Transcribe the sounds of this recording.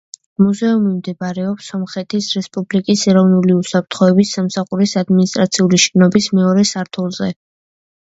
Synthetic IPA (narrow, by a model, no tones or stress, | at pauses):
muzɛumimd̪ɛbaɾɛɔpsɔmχɛt̪ʰisɾɛspʼublikʼisɛɾɔvnuliusapʰɾt̪ʰχɔɛbisːamsaχuɾisad̪minist̪ʼɾat̪sʰiuliʃɛnɔbismɛɔɾɛsaɾt̪ʰulˠzɛ